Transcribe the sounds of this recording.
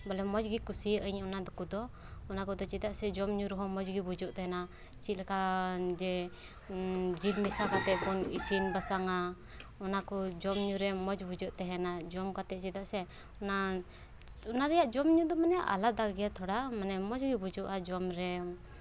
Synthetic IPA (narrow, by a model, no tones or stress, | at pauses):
balɛmɔd͡ʒɡikusiʔəɲɔnad̪ɔkud̪ɔ | ɔnakud̪ɔt͡ʃit̪aʔsɛd͡ʒɔmɲuɾɔɦɔmɔd͡ʒɡibud͡ʒuʔt̪ɛɦɛna | t͡ʃit̪̚ˀlɛkad͡ʒɛ | d͡ʒilmisakat̪ɛʔ̚punisinbasaŋa | ɔnakɔd͡ʒɔmɲuɾɛmɔd͡ʒbud͡ʒuʔt̪ɛɦɛnad͡ʒɔmkat̪ɛt͡ʃit̪aʔsɛ | ɔna | ɔnaɾɛjaʔd͡ʒɔmɲud̪ɔmanɛʔa̰lat̪̚d̪aɡɛjat̪ʰɔɽamanɛmɔd͡ʒɡibud͡ʒuʔad͡ʒɔmɾɛ